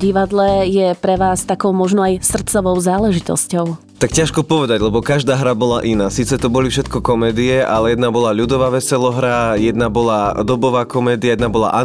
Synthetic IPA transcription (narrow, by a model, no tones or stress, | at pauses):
ɟiʋad̪lɛjɛpɾɛʋaːst̪akɔʊmɔʒnɔajsr̩t̪t͡sɔʋɔʊzaːlɛʒit̪ɔ̰scɔʊ | t̪akcaʃkɔpɔʋɛd̪aɟlɛbɔkaʒd̪aːɦɾabɔlaʔinaːsiːt͡sɛt̪ɔbɔlifʃɛt̪kɔkɔmɛːd̪iɛʔalɛjɛd̪nabɔlaʎud̪ɔʋaːʋɛsɛlɔɦɾajɛd̪nabɔlad̪ɔbɔʋaːkɔmɛːd̪iajɛd̪nabɔla̰ʔa